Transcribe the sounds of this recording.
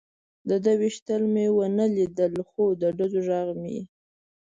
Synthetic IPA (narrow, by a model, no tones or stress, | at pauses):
d̪əd̪əwiʃt̪əlmewənəlid̪əlxod̪əɖazoʒaɣmḭ